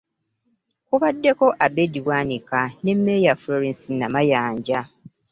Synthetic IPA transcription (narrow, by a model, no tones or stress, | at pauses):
kuβadːe̞ko̞ʔabediβwaːnikanemːejafloɾensinːamajaːɲɟa